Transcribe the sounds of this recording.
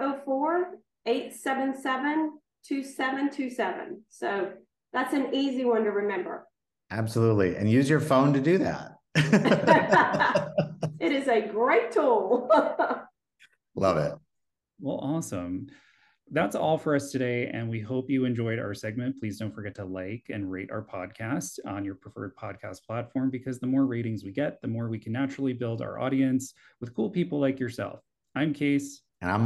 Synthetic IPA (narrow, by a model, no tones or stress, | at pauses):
oʊfɔɹ | eɪtsɛvɨ̃nsɛvɨ̃n | tʰʉsɛvɨ̃ntʰʉsɛvɨ̰̃nsoʊ | ðætsɨ̃niziwʌ̃ntɨɹɨmɛ̃mbə̰˞ | ʔæb̥səlutˡliʔɨ̰̃njʉzjə˞fõʊ̃ntɨdɨðæ̰t̚ | ɨɾɨzɨɡɹeɪtʰulˠ | lʌ̰vɪ̰t̚ | wɛ̰lˠʔɔsə̃m | ðætsɔlˠfə˞ʌstʰɨɾeɪʔɨ̰̃nwiɦoʊpjɨɨ̃nd͡ʒɔɪɾa̰ʊə˞sɛɡ̚mɨ̃npʰl̥izdõʊ̃ntfə˞ɡɛtʰəlaɪkɨ̰̃nɹeɪɾʔa̰ʊə˞pʰɑ̰d̚kʰæstn̩jə˞pʰɹ̥əfɜ̰˞d̚pʰɑd̚kʰæ̰spʰl̥ætfɔɹmbɨkʰʌzðəmɔɹɹeɪɾɪ̃ŋzwiɡɛt̪̚ðɨmɔɹwikʰnːæt͡ʃɹl̩ˠibɪlˠda̰ʊə̰˞ʔɔ̰ɾiɨ̃ns | wəð̥kʰulˠpipl̩ˠlaɪkjə˞sɛ̰lˠf | ãɪ̃mkʰeɪs | ɨ̃nã̰ɪ̃